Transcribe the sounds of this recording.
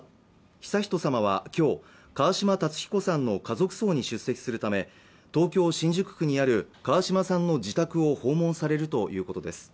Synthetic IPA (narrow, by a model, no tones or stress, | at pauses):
çi̥saçi̥t̪o̞samaβ̞a̰kʲo̞ː | kaβaɕimat̪at͡sɨ̥çʲi̥ko̞sãnːo̞kazo̞kɯ̟̥so̞ːɲ̟iɕɨsːe̞kʲi̥sɨɾɯ̟t̪ame̞ | t̪o̞ːkʲo̞ːɕĩɲ̟d͡ʑɨkɯ̥kɯ̟ɲ̟iaɾɯ̟kaβaɕimasãnːo̞d͡ʑit̪akɯ̟o̞ho̞ːmõ̞ñsaɾe̞ɾɯ̟t̪o̞jʔɯ̟ːko̞t̪o̞d̪e̞sɨ̥